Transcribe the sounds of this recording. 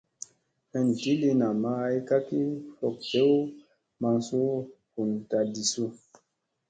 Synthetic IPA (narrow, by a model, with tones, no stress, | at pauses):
hə˨n˨ti˦li˦na˨ma˦jka˦ki˦fɔ˨k̚te˦w | ma˨ŋsu˦ | hu˨nta˨di˨su˦